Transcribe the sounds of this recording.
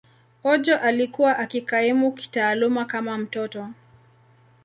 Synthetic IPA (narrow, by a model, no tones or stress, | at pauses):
ɔd͡ʒɔʔalikuwaʔakikaimuki̥taːlumakamam̩tɔtɔ